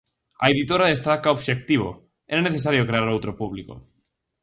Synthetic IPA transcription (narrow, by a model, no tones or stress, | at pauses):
a̰eðit̪oɾaðest̪akaoβʃek̚t̪iβ̞o̰ | eɾaneθes̬aɾjokɾeaɾowt̪ɾopuβliko̰